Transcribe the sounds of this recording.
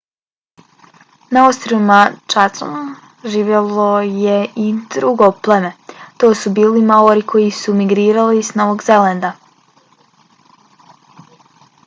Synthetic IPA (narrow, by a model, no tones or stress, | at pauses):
naowst̪ɾoimat͡ʃat̪so̰n | ʒiːʋʲjelˠojeʔid̪ɾuɡoplˠemet̪o̞ːsubiːlimaoɾikʰo̞jisumiɡɾiːɾalisno̞ʋoɡzelend̪a